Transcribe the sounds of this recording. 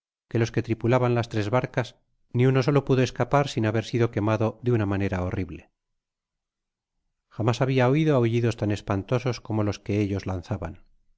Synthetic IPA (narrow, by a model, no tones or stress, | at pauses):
ke̞lo̞ske̞t̪ɾipulaβanlast̪ɾe̞zβaɾkas | niuno̞so̞lo̞puðo̞e̞skapaɾsinaβe̞ɾsiðo̞ke̞maðo̞ðeunamane̞ɾaoriβle | xamasaβ̞iaoiðoauʝiðo̞st̪ane̞spant̪o̞so̞sko̞molo̞ske̞eʎo̞zlan̟θaβan